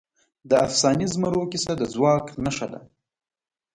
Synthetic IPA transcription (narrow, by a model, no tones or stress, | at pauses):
d̪əafsɑnizmaɾokisad̪əd͡zwɑknaʂad̪a̰